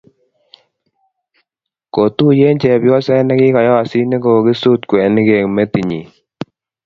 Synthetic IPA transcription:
ko˨tu˦je˦ɲt͡ʃɛ˨bjɔ˦sɛ˦nɛ˦kɪ˦kɔ˨jɔ˦a˨si˦ne˦ɡo˨ki˦su˦t̪kwɛ˨nɪ˦ɡe˨ŋme˦ti˨ɲi˨

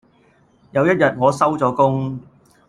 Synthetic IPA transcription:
jɐ˨˧wjɐ˥t̚jɐ˨t̚ŋɔː˨˧sɐ˥wt͡sɔː˨˧kʊ˥ŋ

